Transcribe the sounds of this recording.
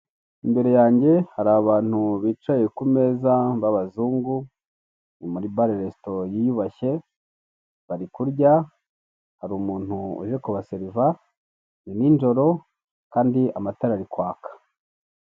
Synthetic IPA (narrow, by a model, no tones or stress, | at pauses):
imbe̞ɾe̞jaːɲɟe̞haɾaβaːn̥huβiːt͡ʃajekume̞ːzaβaβazuːŋɡu | nimuɾibaɾeɾesto̞jijuβaçe̞ | βaɾikuɾɟa | haɾuːmuːn̥huṵʒekuβaseɾiva | niniːnd͡ʒo̞ɾo̞ | kaːndiamataɾaɾikwaːkḁ